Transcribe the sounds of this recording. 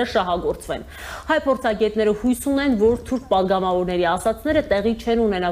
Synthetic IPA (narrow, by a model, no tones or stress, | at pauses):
əʃɑɦɑɡɔɾt͡svɛ̰n | hɑjpʰɔɾt͡sʰɑɡɛt̪nɛɾəhujsunɛnvɔɾt̪ʰuɾk̚ʰpɑd̪ɡɑmɑvɔɾnɛɾiɑsɑt͡sʰnɛɾət̪ɛʁit͡ʃʰɛnunɛnɑ